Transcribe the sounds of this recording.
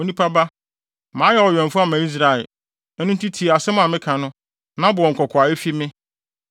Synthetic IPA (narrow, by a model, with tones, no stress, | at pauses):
o˨nĩ˦pʰa˦ba˦ | mãː˨˦jɛ˨ɔ˨ɥᶣɛ̃˨m˨fʊ˦a˨mã˨i˦s̬ɾa˨ɛ̰˨˦ | nʊ̃˦n˦tʰi˦tʰi˨a˨sɛ˦mʊ̃˦a˨mɪ̃˦kʰã˨nʊ̃˦ | nã˦bʊ˨ɔ̃˨ŋ̩˨kʰɔ˨kʰʊ˨a˨e˦fi˦mɪ̃˦